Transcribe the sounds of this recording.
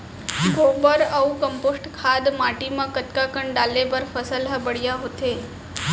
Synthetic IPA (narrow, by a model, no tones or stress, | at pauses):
ɡʱobəɾəwkəmposʈkʰad̪maʈiməkət̪kakəɳɖalːebəɾfəsəlɦəbəɽjaɦot̪e